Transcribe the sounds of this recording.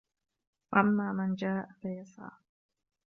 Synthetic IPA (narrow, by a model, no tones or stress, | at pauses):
waʔamːaːmand͡ʒaːʔfajɑsˤɑ̰ː